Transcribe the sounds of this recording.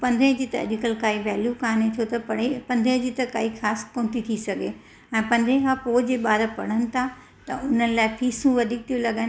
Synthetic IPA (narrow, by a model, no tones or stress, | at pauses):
pɐ̃nd̪ʱed͡ʑit̪ɐḛɗɪkəlkaːiʋɛːljukaːnet͡ɕʰoːt̪ɐpɐɽepɐ̃nd̪ʱẽd͡ʑit̪ɐkaːixaːskõːnt̪it̪ʰisɐɡʱe | ɛ̃ːpɐ̃nd̪ʱẽkʰãːpoːd͡ʑeːɓaːɾəpɐɽ̤̃ənɪ̆t̪ʰa | t̪ɐʊnəlaːɪpʰiːsũʋɐd̪ʱiːk̚t̪ʰijũlɐɠən